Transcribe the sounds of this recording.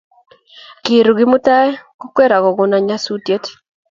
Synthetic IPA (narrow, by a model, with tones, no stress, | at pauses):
ki˨ɾu˨ɡɪ˦mʊ˦ta˦ɛ˦ko˦kwɛ˦ɾa˨kɔ˨ɡʊ˨na˨ɲa˦su˦tje˦t